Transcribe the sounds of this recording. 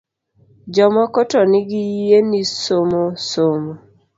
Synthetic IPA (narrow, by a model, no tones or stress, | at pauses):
d͡ʒɔmɔkɔtɔnɪɡijienisomosomo